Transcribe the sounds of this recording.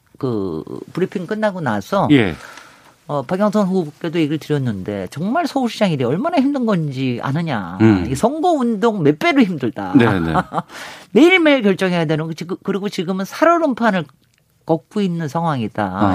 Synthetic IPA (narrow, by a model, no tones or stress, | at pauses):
kɯ̰puɾipʰiŋk͈ɯnːaɡonasʰʌjḛ | ʌpaɡjʌŋsʰʌnsoɡubuk͈e̞doiɡiɭtɯɾjʌnːɯnde̞̰t͡ɕʌŋmaɭsʰʌuɭɕʰid͡ʑaŋideʌɭmanaçimdɯnɡʌnd͡ʑia̰nɯɲaiɡesʰʌŋɡoundoŋme̞p͈e̞ɾoçimdɯɭda̰nḛ | me̞iɭme̞iɭkjʌɭt͡ɕ͈ʌŋɦe̞jadwenɯnɡot͡ɕiɡɯkɯɾiɡot͡ɕiɡɯmɯnsʰaɾoɾɯmpʰanɯɭ | k͈ʌk̚k͈oinːɯnsʰaŋɦwaŋida̰